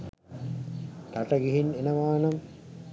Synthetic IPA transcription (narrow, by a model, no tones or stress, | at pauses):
t̪aʈəɡiɦinenəʋaːnɐm